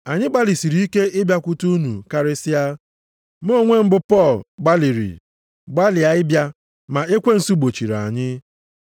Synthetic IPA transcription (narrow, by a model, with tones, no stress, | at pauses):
a˨ɲɪ˦ɡ͡ba˦li˨si˨ɾi˦i˦ke˦ʔɪ˦bja˦kʷu˦tu˦nṵ˨ka˦ɾɪ˦sɪ˦a˦ | m̩˦o˦˨ŋʷe˦m̩˦bʊ˦pɔ˦˨lɡ͡ba˦li˨ɾḭ˨ | ɡ͡ba˦lɪ˨a˨ɪ˦bja˦ | ma˨e˦kʷe˦n̩˨su˦ɡ͡bo˨t͡ʃi˨ɾa̰˨ɲɪ˦